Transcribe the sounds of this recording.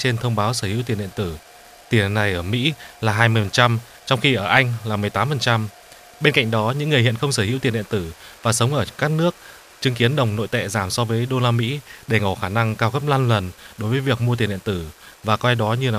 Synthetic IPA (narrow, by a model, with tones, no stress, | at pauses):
t͡ɕe˧nt̪ʰə˧wŋ͡mɓaː˨˦wsəː˧˩hḭ˧˥wt̪i˨˩ənɗḭ˧˨ə˨nt̪ɨ˧˩ | t̪i˨˩n̰˨nːa˨˩jʔəː˧˩mḭ˧˥laː˨˩ɦaː˧jmɨ˧əjfə˨˩nt͡ɕa˧m | t͡ɕɔ˧wŋ͡mxi˧ʔəː˧˩ʔa˧jŋ̟laː˨˩mɨ˨˩jt̪aː˨˦mfə˨˩nt͡ɕa˧m | ɓe˧nka̰˧˨jŋ̟ɗɔ˨˦ɲɨ̰˧˥ŋːɨ˨˩əhḭ˧˨ənxə˧wŋ͡msəː˧˩hḭ˧˥wt̪i˨˩ənɗḭ˧˨nt̪ɨ˧˩vaː˨˩sə˨˦wŋ͡mʔəː˧˩kaː˦˥k̚nɨ˦˥ək̚ | t͡ɕɨ˨˦ŋki˨˦ənɗə˨˩wŋ͡mno̰˧˨jt̪ɛ̰˧˨zaː˧˩msɔ˧vəː˨˦jɗo˧laː˧mḭ˧˥ɗe˧˩ŋo˧˩xaː˧˩na˧ŋkaː˧wkə˦˥p̚laː˧nlə˨˩nɗo˨˦jvəː˨˦jvək̚mu˧t̪i˨˩nɗḭ˧˨ə˨nt̪ɨ˧˩vaː˨˩kwa˧jɗɔ˨˦ɲɨ˧laː˨˩